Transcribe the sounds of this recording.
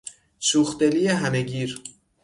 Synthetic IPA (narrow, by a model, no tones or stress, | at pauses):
ʃuːxd̪elijeɦæmeɡiːɾ